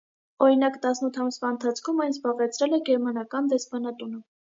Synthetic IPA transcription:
ɔɾinɑkt̪ɑsnut̪ʰɑmsvɑənt̪ʰɑt͡sʰkʰumɑjnzbɑʁɛt͡sʰɾɛlɛɡɛɾmɑnɑkɑnd̪ɛspɑn̪ɑt̪unə

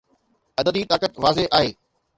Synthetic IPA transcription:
ɐd̪əd̪it̪aːkət̪ʋaːzeʔaːɦeː

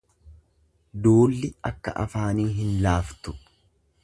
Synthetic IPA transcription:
d̪oːlːɪɐkːɐʔɐ̰faːniːɦɪnlaːft̪ʊ̥

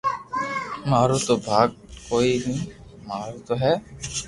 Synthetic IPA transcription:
maːɾut̪obʱaːɡ̚koinimaːɾut̪oɦɛ

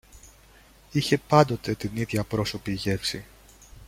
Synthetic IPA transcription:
içe̞pɐnd̪o̞t̪e̞t̪iniðʝɐpɾo̞so̞piʝe̞fsi

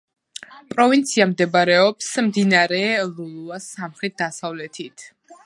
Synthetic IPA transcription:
pʼɾɔvint̪sʰiamd̪ɛbɾɛɔpsmd̪inaɾɛlulˠuasamχɾɛt̪̚d̪asavlɛt̪ʰit̪ʰ

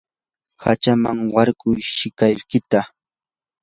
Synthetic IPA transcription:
hat͡ʃamaŋwɑɾkʊjʃɪkaʎkɪt̪a

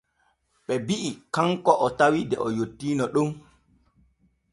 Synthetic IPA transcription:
ɓɛbiʔikaŋkɔʔɔtawidɛʔɔjotːiːnɔɗum

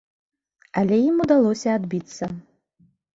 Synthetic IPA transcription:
ɐlʲɛjimud̪alˠɔsʲɐad̪bʲit̪sːɐ

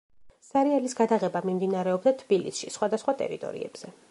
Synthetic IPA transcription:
saɾialisɡad̪aʁɛbamimd̪inaɾɛɔbd̪at̪ʰb̥ilisʃisχwad̪asχwat̪ʼɛ̰ɾḭt̪ʼɔ̰ɾḭɛ̰b̥z̥ɛ

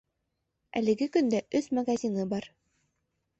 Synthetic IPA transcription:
æ̰lɘ̆ɡɘkɵ̆nd̪æʔɵθmɐɡazʲinɤbɑɾ

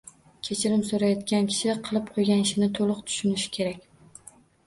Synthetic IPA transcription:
kʲʰe̞t͡ʃʰɪɾɪmsoɾajɒt̪kʲankʲʰɪ̥ʃɪqʰɨlˠɪp̚qʰojɡʲanɪʃɪnɪt̪ʰolˠʊqt̪ʰʊ̥ʃʊnɪʃɪ̥kʲʰe̞ɾakʲ

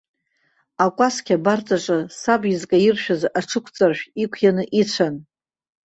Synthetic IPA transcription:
akʷʼaskʲabart͡sʼaʈ͡ʂʼasabizkʼajɪrʃᶣazaʈ͡ʂʰɨkʷʰt͡sʼarʃᶣikʷʰjanɨʔit͡ɕʷʰan

